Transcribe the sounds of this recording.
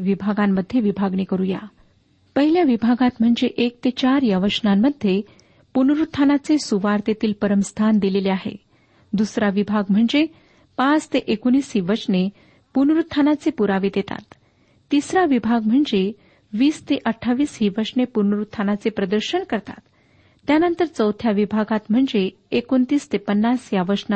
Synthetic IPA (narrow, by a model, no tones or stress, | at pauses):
ʋibʱaɡamːəd̪ʱːjeʋibʱaɡnekəɾuja̰ | pəɦiljaʋibʱaɡat̪m̤əɳd͡zeʔek̚t̪et͡ɕaɾjaʋəsnamːəd̪ʱːje | punɾut̪ʰːanat͡sesuʋaɾt̪et̪iːlpəɾəmst̪ʰand̪ileleaɦḛ | d̪usɾaʋibʱaɡm̤əɳd͡ze | pat͡st̪eʔekuñiːsɦiːʋəɾʂne | punɾut̪ʰːanat͡sepuɾaʋeːd̪et̪a̰t̪ː | isɾaʋibʱaɡ̚m̤əɳd͡ze | ʋiːst̪eʔəʈʰːaʋiːsɦiːʋəɾʂɳepunɾut̪ʰːanat͡sepɾəd̪əɾɕəɳkəɾt̪a̰t̪ː | janənt̪əɾt͡səwt̪ʰjaʋibʱaɡat̪m̤əɳd͡zeː | kont̪iːst̪epənːasjaʋəɕna